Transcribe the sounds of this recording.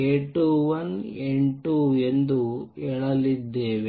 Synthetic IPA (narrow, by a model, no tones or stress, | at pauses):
eːʈuʋɐneɳʈuend̪uɛɭɐlid̪ːeːʋe